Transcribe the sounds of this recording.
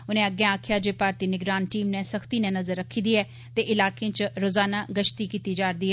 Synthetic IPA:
ʊnẽɐɡjãaːkʰjad͡ʒeːpaːɾt̪inɪɡɾaːnʈiːmnɛ̃səxt̪inɛ̃nɐzəɾːəkʰːĩd̪iɛː | t̪eʔɪlaːkẽt͡ʃɾoːzaːnaɡəʃt̪ikiːt̪id͡ʒaːɾd̪iːɦɛː

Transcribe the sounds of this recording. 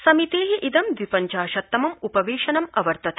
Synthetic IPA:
sɐmit̪eːɦiʔid̪ɐmd̪ʋipɐɲt͡ʃaːʃɐt̪ːɐmɐmupɐʋeːʃɐnɐmɐʋɐɾt̪ɐt̪ʰɐ

